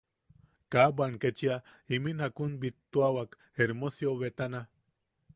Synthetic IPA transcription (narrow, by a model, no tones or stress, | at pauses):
kabanket͡ʃia | iminakunbit̪ːuawak | eɾmosjoβet̪ana